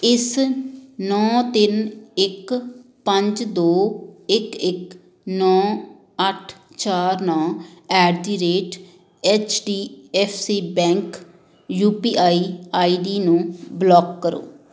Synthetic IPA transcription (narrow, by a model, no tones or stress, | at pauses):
ɪs | nɔːt̪ɪnɪk | pəɲd͡ʒd̪oːɪkɪk | nɔː | əʈʰ | t͡ʃaːɾnɔ̃ːɛːɖd̪iːɾeːʈ | ɛːt͡ʃɖiːɛːpʰsiːbɛ̃ːŋk | juːpiːʔaːiːaːiːɖiːnũːblɔːkːəɾo̰ː